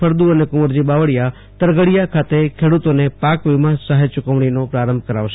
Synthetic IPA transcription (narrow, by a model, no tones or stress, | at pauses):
əɾd̪uənekʊməɾd͡ʒibaʋəɽja | t̪əɾɡəɽijakʰat̪ekʰeɽut̪onepakʋimãsaɦet͡ʃʊkəʋɳ̃inopɾaɾəmbʱkəɾaʋʃe